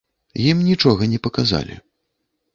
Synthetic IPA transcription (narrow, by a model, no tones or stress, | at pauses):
jimnʲit͡ʂɔɣɐnʲɛpɐkaza̰lʲḭ